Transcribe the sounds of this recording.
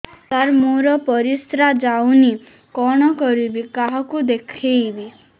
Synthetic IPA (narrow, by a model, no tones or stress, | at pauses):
t̪aɾmoɾɔpɔɾist̪ɾad͡ʒawni | kɔɽ̃ɔkɔɾibikaɦɔkud̪ekʰejbi